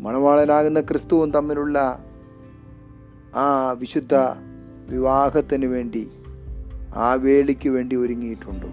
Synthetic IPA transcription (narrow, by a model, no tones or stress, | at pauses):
mɐnɐʋaːɭɐnaːɣunːɐkrɨst̪uʋumt̪ɐmːiluɭːɐ | aːʋiɕud̪ʱːɐ | ʋiʋaːɡɐt̪ːinɨʋe̞ːɳɖi | a̰ːʋe̞ːɭikʲːuʋe̞ːɳɖioɾuŋːijiʈːuɳɖɨ̰